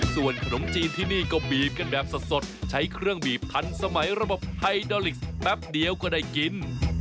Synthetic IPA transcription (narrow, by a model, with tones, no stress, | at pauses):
su˨˩ənkʰa˧no˩˦mt͡ɕiː˧nt̪ʰiː˥˩niː˥˩kɔ˥˩biː˨˩p̚ka˧nbɛː˨˩p̚sa˨˩t̪̚so˨˩t̪̚t͡ɕʰa˦˥jkʰɾɯ˥˩əŋbiː˨˩p̚t̪ʰa˧nsa˧ma˩˦jɾa˧bo˨˩p̚hʰa˧jdɔː˧li˨˩k̚spɛ˦˥p̚di˧əwkɔː˥˩daː˥˩jki˧n